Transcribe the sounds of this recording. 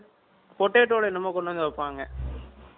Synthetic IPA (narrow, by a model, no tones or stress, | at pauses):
pɔʈːeːʈːoːɽɐɪnːɐmoːkɔɳɖɐnd̪ʋɐpːaːŋɡɐ